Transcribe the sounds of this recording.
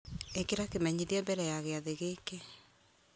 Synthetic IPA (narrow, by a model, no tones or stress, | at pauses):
ekeɾakemɛɲiðiambɛɾɛjaɣeaðeɣekɛ